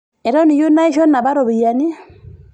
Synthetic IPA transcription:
ɛ˨ɾɔ˦ni˨jo˦na˦i˦ʃɔ˦nːa˨ba˦ɾɔ˨bi˨ja˨ni˦

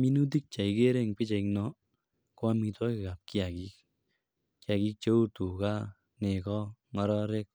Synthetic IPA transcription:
mi˦nu˦t̬i˦k̚t͡ʃa˨ike˦ɾe˦˨ŋpɪ˦t͡ʃa˨iknɔ˦ | kwa˦mi˧twa˦kɪ˨ka˨p̚ki˦a˨ki˦k̚ | kja˨ki˦k̚t͡ʃe˦u˦tu˨ka˦ | ne˨kɔ˦ŋɔ˧ɾɔɾe˦k̚

